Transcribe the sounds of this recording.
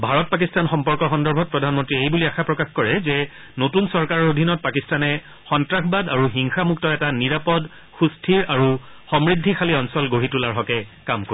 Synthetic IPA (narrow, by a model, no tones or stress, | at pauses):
bʱaɹɔt̚pak̬istanxɔmpɔɹkɔxɔndɔɹbʱɔt̚pɹɔdʱanmɔntɹiejbuliaxapɹɔkaxkɔɹɛzɛ | notunsɔɹkaɹɔɹodʱinɔt̚pakistanɛ | xɔntɹaxbadaɹuɦiŋxamuktɔɛtaniɹapɔd | xustʰiɹaɹu | xɔmɹidʱːixʰaliɔnsɔlɡoɦitulaɹɦɔkɛkamko